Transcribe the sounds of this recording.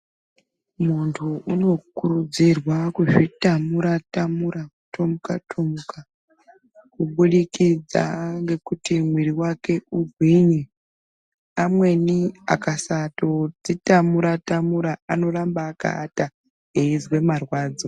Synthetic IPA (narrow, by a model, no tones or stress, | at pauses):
muntʰuuno̞kurud͡zirwakuʐitamuɾatamuɾakuto̞muka̰tʰomuka | kuɓuɗikid͡za̰ŋɡe̞kutimwiɾiwake̞uɡʱwiɲi | amwe̞nia̰kasato̞d͡zitamuɾatamuɾaano̞rambaːka̰ːta | eizwe̞marwaːd͡zo